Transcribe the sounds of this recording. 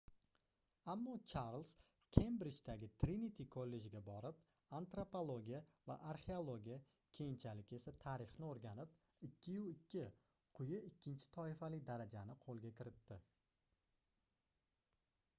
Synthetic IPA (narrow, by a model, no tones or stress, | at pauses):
amːɒt͡ʃʰaɾlˠs | kʲʰembɾɪt͡ʃt̪aɡʲɪt̪ʰɾinit̪ʰikʰolːe̞d͡ʒɡʲabɒɾɪp̚ | ant̪ɾopolˠoɡʲijava̰ʔaɾχe̞olˠoɡʲija | kʲʰe̞jɪnt͡ʃʰalɪkʲe̞sat̪ʰaɾɪχnɪoɾɡʲanɪp̚ | ɪkʲʰːɪjʊɪkʲʰːɪ | qʰʊjɪɪkʲʰːɪnt͡ʃʰɪ̥t̪ʰɒɪfalɪk̚ʲd̪aɾad͡ʒanɪqʰolˠɡʲakʲɪɾɪt̪ːɪ